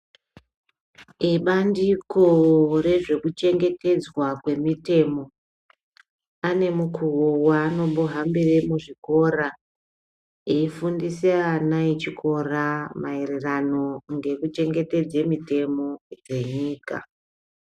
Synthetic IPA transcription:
iɓandiko̞re̞ʐe̞kut͡ʃe̞ŋɡe̞tʰe̞d͡zwakwe̞mite̞mo̞ | ane̞mukʰuwowaːno̞ɓoɦamberimuʐiko̞ra | eifundisianait͡ʃikʰo̞ramairirano̞ŋɡe̞kut͡ʃe̞ŋɡe̞te̞d͡zemite̞mo̞d͡ze̞ɲiːka̰

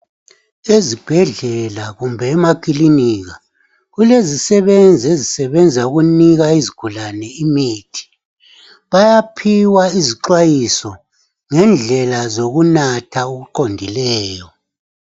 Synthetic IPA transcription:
ezib̥ʱɛɮɛlaɣumbʱɛːmakʼiliniːɣa | ɣulezisɛβend͡zʱiezisɛβɛnd͡zʱauɣuniɣaiziɡ̥ʱulanɛimiːtʰi̥ | βajapʰiwaiziǃwajisɔ | ŋɛnd͡ɮʱɛlazoɣunatʰauɣuǃondʱilɛːjɔ

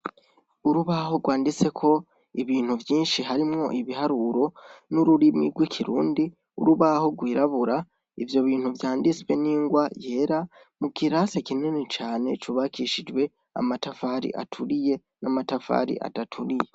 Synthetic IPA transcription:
uɾuβaɦo̞ɡwaːndit͡se̞kʰo̞ | iβiːn̥huvjiːnʃiɦaɾimŋo̞ʔiβiɦaɾuɾo̞nuɾuɾimḭɾɡwikʰiɾṵːndi | ṵɾuβaho̞ɡwiːɾaβuɾa | ivjo̞βiːn̥huvjaːndit͡swe̞niːŋɡwaje̞ːɾa | mukiɾasekinenet͡ʃaːne̞t͡ʃuβakiʃid͡ʒwe̞ | a̰matafaɾḭʔa̰tʰuɾije̞ | namatafa̰ɾḭʔa̰tatʰuɾije̞

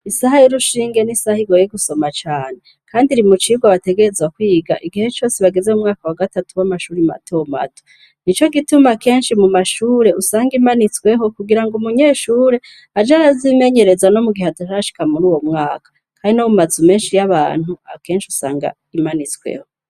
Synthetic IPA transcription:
isaɦajiɾuʃiːŋɡe̞nisahiɡojeɡuso̞mat͡ʃaːne̞ | kʰaːndiɾimut͡ʃiɡwaβate̞ɡe̞ɾe̞zwakwiːɡa̰ʔiɡihe̞t͡ʃo̞ːseβaɡe̞ze̞umŋaːkawaɡatatuwamaʃuːɾima̰tʰoma̰tʰo̥ | nit͡ʃo̞ɡitumake̞ːnʃimumaʃuːɾe̞ʔusaːŋɡimanit͡swe̞ɦo̞kuɡiɾaŋɡumuɲe̞ːʃuːɾe̞ | ad͡ʒaɾazime̞ɲe̞ɾe̞zwano̞muɡihataʃaaʃi̥kamuɾuːwo̞mŋaːkḁ | kʰaːndinomumazume̞ːnʃijaβaːn̥hua̰ke̞ːnʃiusa̰ːŋɡa̰ | imanit͡swḛho̞

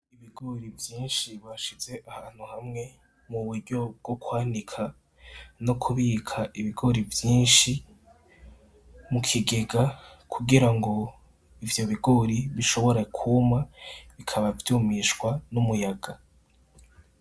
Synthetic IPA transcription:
iβiɡo̞ɾivjiːnʃiβaʃize̞ʔahaːn̥huhamŋe̞ | muβuɾɟo̞b̚ɡ̥o̞kwaːndikʰa | no̞kʰuβikʰaʔiβiɡo̞ɾivjiːnʃi | mukʰiɡe̞ɡa | kʰuɡiɾaŋɡo̞ | ivjo̞βiɡo̞ɾiβiʃo̞βo̞ɾakʰumaβikʰaβavjuːmiʃɡwanumujaɡa

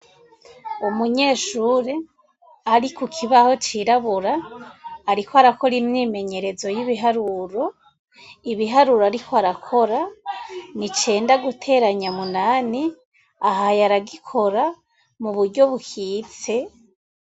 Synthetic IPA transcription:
umuɲe̞ːʃuːɾe | aɾikukʰiβaho̞t͡ʃiɾaβuɾaː | ɾikoaɾako̞ɾimniːme̞ɲe̞ɾe̞zo̞jiβiɦaɾuɾo̞ | iβiɦaɾuɾoaɾikʰoaɾakʰo̞ɾa | nit͡ʃe̞ːndaɡutʰe̞ːɾaɲamunaːni | aɦajaɾaɡikʰo̞ɾa | muβuɾɟo̞βuhiːt͡se̞

